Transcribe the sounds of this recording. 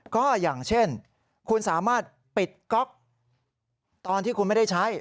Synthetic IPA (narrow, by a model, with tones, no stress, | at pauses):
kɔː˥˩jaː˨˩ŋt͡ɕʰe˥˩n | kʰu˧nsaː˩˦maː˥˩t̪̚ | pi˨˩t̪̚kɔ˦˥k̚ | t̪ɔː˧nt̪ʰiː˥˩kʰu˧nma˥˩jda˥˩jt͡ɕʰa˦˥j